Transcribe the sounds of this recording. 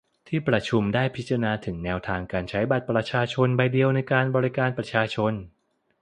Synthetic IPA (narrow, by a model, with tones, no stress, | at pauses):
t̪ʰiː˥˩pɾa˧t͡ɕʰu˧mdaː˥˩jpʰi˦˥t̪̚t͡ɕa˧a˧naː˧t̪ʰɯ˩˦ŋnɛː˧wt̪ʰaː˧ŋkaː˧nt͡ɕʰa˦˥jba˨˩t̪̚pɾa˧t͡ɕʰaː˧t͡ɕʰo˧nba˧jdi˧əwna˧jkaː˧nbɔː˧ɾi˦˥kaː˧npɾa˧˥t͡ɕʰaː˧t͡ɕʰo˧n